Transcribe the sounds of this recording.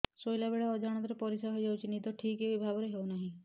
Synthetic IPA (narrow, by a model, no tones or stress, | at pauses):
sojlabeɭaɔd͡ʒaɽ̃ɔt̪ɔɾepɔɾisaɦojd͡ʒawt͡ʃʰinit̪ɔʈʰikebibʱabɔɾeɦewnaɦĩ